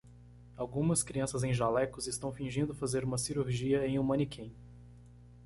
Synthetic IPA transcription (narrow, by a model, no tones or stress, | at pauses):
awɡũmɐskɾiɐ̃sɐzẽj̃ʒalɛkʊzɪst̪ɐ̃w̃fĩʒĩnd̪ʊfazeɾũmɐsiɾuɾʒiɐẽj̃ũmɐ̃nikʰẽj̃